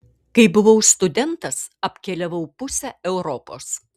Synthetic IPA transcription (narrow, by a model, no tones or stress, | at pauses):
kɐɪbʊʋɐʊst̪ʊd̪ʲɛnt̪ɐsɐpʲkʲɛlʲɛʋɐʊpʊsʲɛɛʊɾopoːs